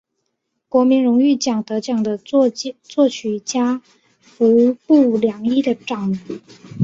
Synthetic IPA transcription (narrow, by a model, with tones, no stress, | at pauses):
kwɔ˧˥mi˧˥ŋɻʊ˧˥ŋy˥˩t͡ɕjɑ˨˩ŋt̪ɤ˧˥t͡ɕjɑ˨˩ŋd̪ə˦t͡swɔ˥˩t͡ɕʰy˨˩˥t͡ɕja˥ | u˧˥pu˥˩ljɑ˨˩ŋi˥˩d̪ə˩ʈ͡ʂɑ˨˩˦ŋ